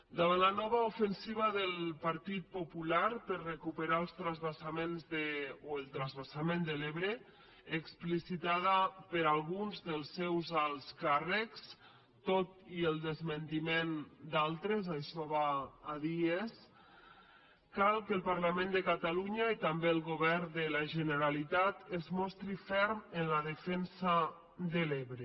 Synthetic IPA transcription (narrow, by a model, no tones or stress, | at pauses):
d̪aβanlanɔβ̞aufənsiβ̞aðəlpaɾt̪it̪̚populaɾpəɾrekupəɾaəlˠst̪ɾazβasamenzðeoelˠt̪ɾazβasamend̪əleβɾeː | ksplisit̪aðapəɾalˠɣunzðəlˠsːɛwzalˠskarəks | t̪ot̪ielˠd̪əzmənt̪imend̪alˠt̪ɾezaʃɔβaːðies | kalˠkəlˠpaɾlamẽnd̪əkat̪aluɲait̪ambeːlˠɣoβɛrd̪əlaʒənəɾalit̪at̪ezmɔst̪ɾifɛɾmenlaðəfɛnsa | d̪əleβɾe